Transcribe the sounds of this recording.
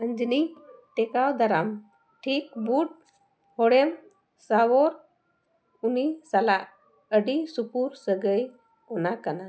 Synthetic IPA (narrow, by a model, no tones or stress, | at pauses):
ənd͡ʒiniʈɛkawd̪aɾam | ʈʰik̚buʈ̚ | hɔɽɛm | sawɔɾ | unisalaʔ | əɖisupuɾsəɡəj | ɔnakana